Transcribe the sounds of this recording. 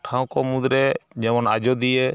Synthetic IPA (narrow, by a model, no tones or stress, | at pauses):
ʈʰãw̃kɔmud̪ɾɛd͡ʒɛmɔnad͡ʒɔd̪ije